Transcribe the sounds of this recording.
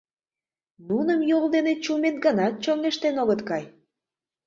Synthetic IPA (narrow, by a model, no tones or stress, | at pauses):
nunəmjold̪enet͡ɕumet̪̚ɡənɑt̪̚t͡ɕoŋeʃt̪enoɣət̪kɑj